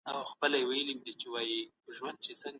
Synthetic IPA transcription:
awxpəlajewajəlimd̪it͡ʃewaji | ʒwand̪̚t͡ʃesəŋ

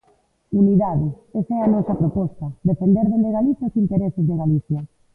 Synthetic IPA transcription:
uniðaðɪ | esɛanɔsɐpɾopɔst̪ɐd̪efend̪eɾðend̪eɣaliθjaosint̪eɾesɪzðeɣaliθjɐ

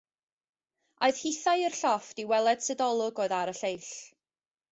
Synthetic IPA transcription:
oɨð̥hiθajərɬɔfd̥iwɛlˠɛd̥sɛdɔlˠʊɡoɨðaɾəɬejɬ

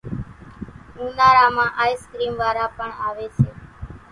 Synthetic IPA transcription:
ũːnaːɾaːmãːʔaːiskɾiːmʋaːɾaːpəɳaːʋeːt͡ʃʰeː

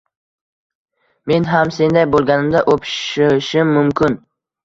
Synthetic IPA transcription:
me̞nɦamse̞nd̪ajbolˠɡʲanɪmd̪aʔopʰʃɪʃɪmːʊmkʰʲɪn

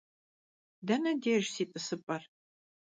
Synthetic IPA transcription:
dɐnɐdeːʒsiːtʼɨsɨpʼɐr

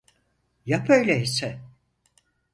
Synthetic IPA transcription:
japʰøjlʲeisɛ

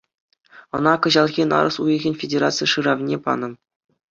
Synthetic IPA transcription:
ɤ̆nɑkɤ̆ʑɑlˠɣʲinɑ̰ɾɤ̆sujɤ̆ɣʲenʲfʲedʲerat̪sɨjʂɯɾɑʋnʲepɑ̰nɤ̆

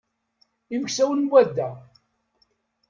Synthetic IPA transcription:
iməçsæwənwæd̪ːæ

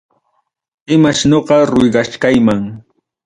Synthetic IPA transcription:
ɪmaʃnoɢɑɾʊjɢɑʃkajmaŋ

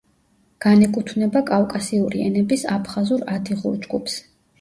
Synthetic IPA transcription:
ɡ̥anɛkʼut̪ʰvnɛbakʼavkʼasiuɾiɛ̰nɛbisapʰχazuɾad̪ʰiʁṵlˠd͡ʒɡupʰs

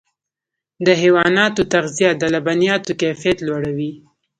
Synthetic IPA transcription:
d̪əɦewɑnɑt̪ot̪aɣzijad̪əlabanijɑt̪okafijat̪lwaɽawi

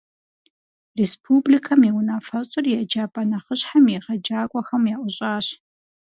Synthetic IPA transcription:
respʰuːblikʰɐmiwʊnaːfɐɕʼɪrjɛd͡ʒaːpʼɐnɐχəɕħamjɛʁɐd͡ʒaːkʷʼɔxɐmjɛʔʷʊɕʼaːɕ

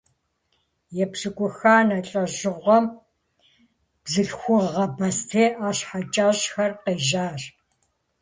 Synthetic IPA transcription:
jɛpsɨkʷʼʊxaːnɐɬʼɐʑɨʁʷɔm | b̥zɨɬxʷʊʁːɐbɐstʰeːʔaːɕħat͡ʃʼaːʑxɐrqeːʒaːr

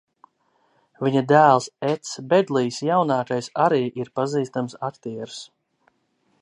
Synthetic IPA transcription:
viɲad̪æːlˠsɛt̪sbɛd̪lˠijsjawnɑːkajsaɾiːʔiɾpaziːst̪amsakt̪iɛɾu̥s

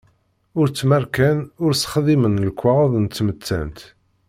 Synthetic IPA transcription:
ʊɾt͡sːmæɾkænʊɾsχðˤimənlkʷːaʁðˤnt̪ːmət͡s̪ːæ̰nt̪

